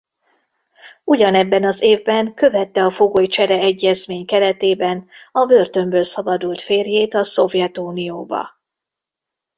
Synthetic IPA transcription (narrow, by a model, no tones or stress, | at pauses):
uɟɒnɛbːɛnɒzeːvbɛŋkø̞vɛt̪ːɛɒfo̞ɡoːjt͡ʃɛɾɛɛɟːɛzmeːɲkɛɾɛt̪eːbɛnɒvø̞rt̪ø̞mbøːlsɒbɒd̪ult̪feːrjeːt̪ɒso̞vjɛt̪uːnijoːbɒ̰